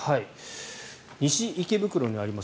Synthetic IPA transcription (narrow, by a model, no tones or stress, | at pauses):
hai | ɲ̟iɕiikebɯ̟kɯ̟ɾo̞ɲ̟iaɾʲimas